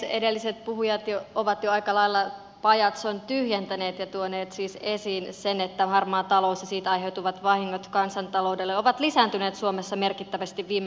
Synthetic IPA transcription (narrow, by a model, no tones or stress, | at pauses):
ḛdelːiset̪̚puɦujɑt̪joʔoʋɑt̪joɑikɑlɑilːɑ | pɑjɑt̪sont̪yhjent̪æneːt̪jɑt̪uoneːt̪siːsesiːnsenet̪ːæhɑrmɑːt̪ɑloːsːɑsiːt̪ɑjɦewt̪uʋɑt̪ʋɑhiŋːot̪kɑnsɑnt̪ɑloudelːeoʋɑt̪lisæːnt̪yneːt̪suomesːɑmerkit̪ːæʋæst̪iʋʋiːm